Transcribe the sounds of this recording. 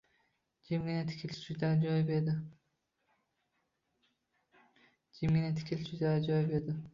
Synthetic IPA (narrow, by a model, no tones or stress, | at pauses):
d͡ʒɪmɡʲɪnat̪ʰɪ̥kʲʰɪlʃʰʊd̪ad͡ʒɒjɪped̪ɪ | d͡ʒɪmɡʲɪnat̪ʰɪ̥kʲʰɪlt͡ʃʰud̪ad͡ʒɒjpe̞d̪ɪ